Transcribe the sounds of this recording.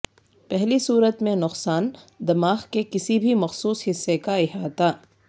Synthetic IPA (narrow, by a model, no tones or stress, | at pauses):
pɛɦlisuːɾət̪mẽnʊqsaːnd̪ɐmaːxkekɪsibʱimɐxsuːshɪsːekaɪɦaːt̪aː